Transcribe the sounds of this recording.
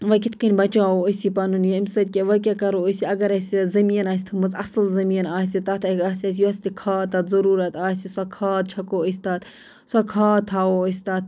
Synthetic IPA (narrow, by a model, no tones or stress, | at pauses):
ʋɐkʲit̪ʰkɐnʲbɐt͡ʃaːoəsipɐnunjɐimsɐt̪̚ʲkʲeʋɐkʲakɐɾoːəsʲiɐɡɐɾɐsʲizɐmiːɐnaːsʲt̪ʰɨkmɐzɐslzɐmiːnaːsʲit̪ɐt̪ʰɐaːsʲɐːs̬ʲjosʲt̪ikʰaːt̪at̪zɐɾuːɾɐt̪ʰaːsisakʰaːd̪̚t͡ʃʰɐkoːəsʲt̪aːt̪ | sakʰaːt̪ʰaːoːəsʲt̪at̪̚ʰ